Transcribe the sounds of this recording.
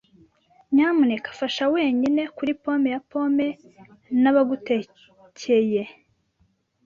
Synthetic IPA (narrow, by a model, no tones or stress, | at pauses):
ɲaːmunekḁfaʃaweːɲine̞kuɾipo̞ːmejapo̞me̞ | naβaɡute | cʰeje